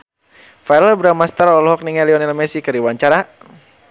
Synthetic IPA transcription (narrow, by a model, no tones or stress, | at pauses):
fajɾəlbɾamast̪aɾɔɔlɦɔk̚niŋɛliɔnɛlmɛsikəɾiwaɲt͡ʃaɾa